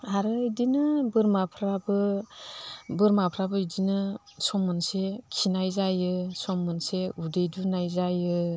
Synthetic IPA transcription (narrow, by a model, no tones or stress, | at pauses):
aɾɯidinɯbɯɾmapʰɾabɯ | bɯɾmapʰɾabɯidinɯ | sɔmɯnsekʰinajzajɯsɔmːɯnseudejdunajzajɯ